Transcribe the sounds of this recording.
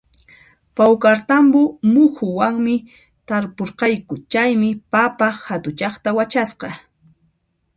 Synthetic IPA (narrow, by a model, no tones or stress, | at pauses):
pawkaɾt̪ambʊmʊxʊwaŋmɪ | t̪aɾpoɾqɑjkʊt͡ʃajmɪpapahat̪ʊt͡ʃɑχt̪awat͡ʃasqɑ